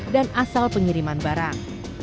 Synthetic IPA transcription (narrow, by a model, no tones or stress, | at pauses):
danasalpəŋiɾimanbaɾaŋ